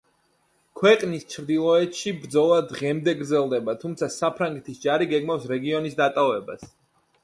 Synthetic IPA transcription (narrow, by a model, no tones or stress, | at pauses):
kʰwɛqʼnist͡ʃʰɾd̪ilˠɔɛt̪ʃibɾd̪zɔlˠad̪ʁɛmd̪ɛɡɾd̪zɛlˠd̪ɛbat̪ʰumt̪sʰasapʰɾaŋɡɛt̪ʰisd͡ʒaɾiɡɛɡmafsɾɛɡiɔnisd̪at̪ʼavɛba̰s